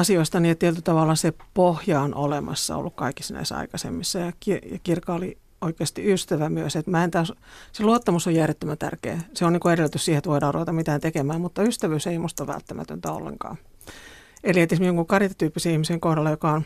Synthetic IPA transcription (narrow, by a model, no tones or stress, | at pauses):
ɑsioist̪ɑniːet̪ːielt̪yt̪ɑʋɑlːˑɑsepohjɑonʔo̰lemɑ̰sːɑ̰o̰lːukkɑikisɑnæ̰isɑ̰ikɑsḛmːisːɑjɑkijɑkirkɑoli | oikeːst̪iyst̪æʋæmyøset̪mæːent̪æːsseluot̪ːɑmusojjærjet̪ːømænt̪æ̰rkḛːseoniːŋkueɾelːt̪yssiːhet̪ʋoidɑːruʋet̪ɑmmit̪æːnt̪ekemæːmmut̪ːɑyst̪æʋyseimust̪oʋæ̰lt̪ːæmæ̰t̪ø̰nt̪æo̰lːḛŋkɑ̰ː | eliet̪ismijoŋkuŋkɑrjit̪ɑt̪yːpːiseihmiseŋkohdɑlːɑjokɑon